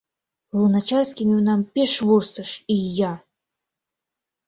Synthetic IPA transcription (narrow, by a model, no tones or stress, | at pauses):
lˠunat͡ʃarsʲkʲimʲiwnampʲɛʂvɔrst̪ɐʂijːa